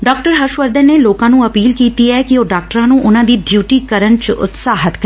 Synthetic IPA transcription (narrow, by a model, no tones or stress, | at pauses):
ɖɔːk̚ʈəɾɦəʃʋəɾd̪ənneːloːkãːnũːəpiːlkiːt̪iːɛːkioːɖaːk̚ʈɾãːnũːʔʊnãːd̪iːɖjuːʈiːkəɾənt͡ʃʊ̰t̪saːɦət̪kɾ